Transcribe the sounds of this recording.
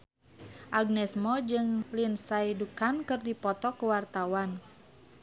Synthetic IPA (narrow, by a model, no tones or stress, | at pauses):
ʔaɡ̚nɛsmɔd͡ʒɨŋlinsaidukankɨrdipɔt̪ɔkuwart̪awan